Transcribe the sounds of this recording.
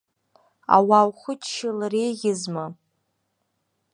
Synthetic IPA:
a̰wawχʷʊt͡ʃʰʃɪlrejɣʲɪzma

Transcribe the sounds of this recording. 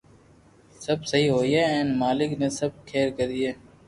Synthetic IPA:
səbsəɦiːɦoːiːɦɛːɛ̃ːnmaːlɪkneːsəb̚kʰeːɾkəɾiːɦeː

